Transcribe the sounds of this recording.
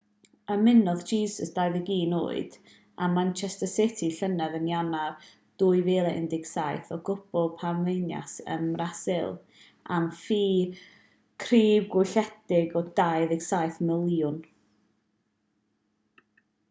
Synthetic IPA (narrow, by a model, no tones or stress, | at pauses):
əmɪnɔðd͡ʒiːsəsd̥ajðəɡiːno̰ːɨd̥ | amant͡ʃʰɛstəsɪtʰiɬənaðənjanav | d̥uːɨveːlˠɛɪ̰ndɪɡ̥sajθɔɡʊb̥ɔlˠpʰanvejnja̰sə̰mrasɪlˠ | amfiː | kʰriːbɡwʊɬɛdɪɡɔdaɨðɪɡ̥sajθmɪlˠjʊn